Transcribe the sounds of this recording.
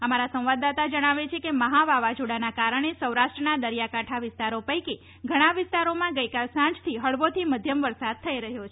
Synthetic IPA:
əmaɾasə̃ʋ̃ʋad̪at̪ad͡ʒəɽ̃aʋet͡ʃʰekeməɦaʋaʋad͡ʒoɽanakaɾəɳ̃esəwɾaʃʈɾənad̪əɾijakaʈʰaʋɪst̪aɾopəjke | ɡʱəɽ̃aʋɪst̪aɾomãɡəjkalsãɲd͡ʒt̪ʰiɦəɭʋot̪ʰiməd̪ʱjəmʋəɾsad̪̚t̪ʰəiɾəɦjot͡ʃʰe

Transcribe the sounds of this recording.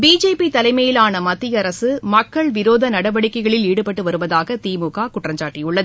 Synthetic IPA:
biːd͡ʒeːpit̪ɐlɐɪmɐjɪlaːnɐmɐt̪ːɪjɐɾɐsɯmɐkːɐɭʋɪɾoːðɐnɐɽɐʋɐɽɪkːɐɪɣɐɭɪliːɽɯpɐʈːɯʋɐɾɯʋɐðaːɣɐt̪iːmuɣaːkʊʈrɐɲd͡ʒaːʈːɪjʊɭːɐðɯ

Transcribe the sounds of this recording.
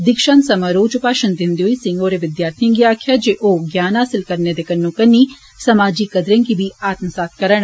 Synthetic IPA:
d̪ɪkʃənsəmaɾoːd͡ʒʊpaːʃənd̪ɪnd̪eɦoiːsɪ̃ŋɡoːɾeʋɪd̪jaːɾt̪ʰiə̃ŋɡiaːkʰjad͡ʒeːʔoːɡjaːnɦaːsɪlkəɾned̪ekənːũːkənːiː | sɐmaːd͡ʒikəd̪ɾẽnkibʱiːaːt̪msaːt̪̚ʰkəɾəɳ̃

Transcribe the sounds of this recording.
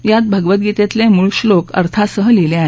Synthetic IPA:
jat̪̚bʱəɡʋət̪̚ɡit̪ẽt̪lemuɭɕlokə̰ɾt̪ʰasəɦəlileaɦ

